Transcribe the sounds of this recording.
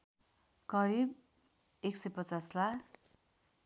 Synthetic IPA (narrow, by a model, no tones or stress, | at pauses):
kʌɾib | eksʌjpʌt͡saslak